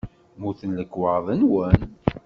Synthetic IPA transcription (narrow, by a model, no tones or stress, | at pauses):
muθənləkːwɑɾðˤənwən